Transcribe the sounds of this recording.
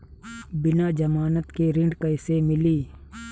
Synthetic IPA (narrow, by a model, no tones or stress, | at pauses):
bɪnaːd͡ʒɐmaːnət̪keɾɪ̃ɳɖkəɪsemɪliː